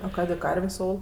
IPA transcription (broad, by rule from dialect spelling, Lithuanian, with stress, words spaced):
oː ˈkɑːdʲeː ˈkɐrʲʋʲeːsʲ ˈoːlˠ